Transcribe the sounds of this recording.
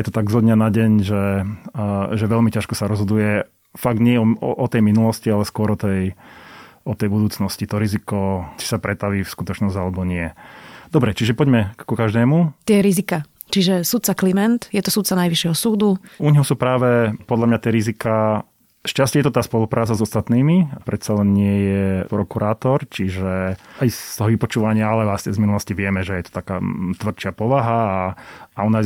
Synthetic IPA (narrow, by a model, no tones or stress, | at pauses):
jɛt̪ɔt̪aɡzɦɔd̪ɲanaɟɛɲʒɛ | ʒɛʋɛʎmicaʃkɔsaɾɔzɦɔd̪ujɛ | faɡ̚d̪ɲɪɛɔ̰ʔɔt̪ɛjminulɔscialɛskʊɔɾɔt̪ɛj | ɔt̪ɛjbud̪uːt͡snɔscit̪ɔɾizikɔt͡ʃi̥sapɾɛt̪aʋiːfskut̪ɔt͡ʃnɔzɟalɛbɔɲɪɛd̪ɔbɾɛt͡ʃiʒɛpɔɟmɛkukaʒd̪ɛːmut̪ɪɛɾizika | t͡ʃiʒɛsut̪̚t͡saklimɛnt̪jɛt̪ɔsut̪t͡sanajʋiʃjɛɦɔsuːd̪uʔuɲɦɔsuːpɾaːʋɛpɔd̪ʎamɲat̪ɪɛɾizikaː | ʃcascɛjɛt̪ɔt̪aːspɔlupɾʔaːt͡sazɔst̪at̪niːmiapɾɛt̪salɛnɲɪɛjɛpɾɔkuɾaːt̪ɔɾt͡ʃiʒɛajst̪ɔɦɔʋipɔt͡ʃuːʋaɲɪaalɛasɲɛzminulɔsciʋɪɛmɛʒɛjɛt̪ɔ̥t̪aka̰ːt̪ʋr̩t͡ʃɪapɔʋaɦaːaɔna